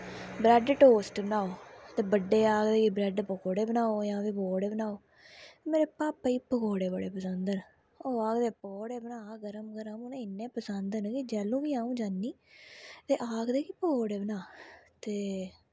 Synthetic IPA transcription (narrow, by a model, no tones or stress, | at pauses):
bɾɛːɖʈoːsʈbənaːoːt̪eːbəɖːeːaːɡd̪eːkibɾɛːɖpəkoːɽeːbənaːoːjãːʋiːboːɽeːbənaːoː | t̪emeːɾeːpaːpːəiːpəkoːɽeːbəɽeːpəsənd̪ən | oːaːɡd̪eːpoːɽeːbənaːɡəɾəmɡəɾəmneːɪnːẽːpəsənd̪nkid͡ʒɛːlũːʋiːaːũːd͡ʒanːiː | t̪eːʔaːɡd̪eːkiːpəkoːɽeːbənaːt̪eː